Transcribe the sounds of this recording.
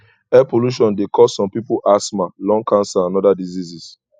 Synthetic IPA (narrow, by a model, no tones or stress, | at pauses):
ɛpoluʃɔ̃ndekʰɔsːɔ̃mpipuʔasmalɔ̃ŋkʰãnsaãnɔdadizizis